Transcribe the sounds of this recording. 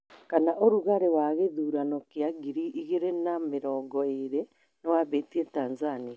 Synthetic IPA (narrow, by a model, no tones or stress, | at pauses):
kanaʔoɾuɣaɾewaɣeðuːɾanɔkeaɡiɾiʔiɣeɾenameɾɔːŋɡɔeɾe | nɔwaβetietaːnzania